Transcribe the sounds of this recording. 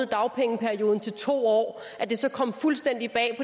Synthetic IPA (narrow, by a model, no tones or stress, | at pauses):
ð̩ˠd̥ɑ̈ʊpʰeŋəpʰæɐio̝ːðˠn̩t͡sʰe̝lt͡sʰo̝̰ːɒ̰ː | ʔæd̥e̝sɒ̽kʰɒ̽m̰fulsd̥en̰d̥ib̥ɛ̰ːpʰɒ̽